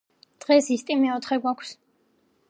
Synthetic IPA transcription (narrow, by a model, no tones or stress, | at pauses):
d̪̥ʁɛsist̪ʼimɛɔt̪ʰχɛɡwakʰs